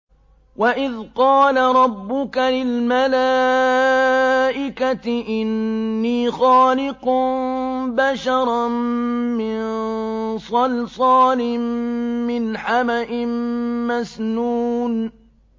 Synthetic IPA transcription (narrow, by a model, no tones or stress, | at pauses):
waʔɪðqɑːlaɾˤɑbːʊkalɪlmalaː | ʔɪkat̪ɪʔɪnːiːxɑːlɪq | baʃɑɾˤɑ | mɪn | sˤɑlsˤɑːnɪmmɪnħamaʔɪmmasnuːn